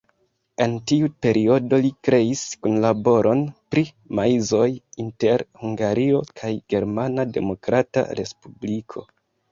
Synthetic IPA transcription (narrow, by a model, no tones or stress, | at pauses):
e̞ntiupe̞ɾʔio̞do̞likɾe̞iskunlabo̞ɾʔo̞npɾi | maizo̞jinte̞ɾhuŋɡaɾio̞kʰajɡ̥e̞ɾmanade̞̰mo̞kɾata̰ɾe̞spublikʰo̞̰